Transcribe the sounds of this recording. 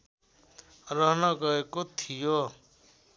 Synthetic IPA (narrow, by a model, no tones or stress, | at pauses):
rʌɦnʌɡʌekot̪ʰijo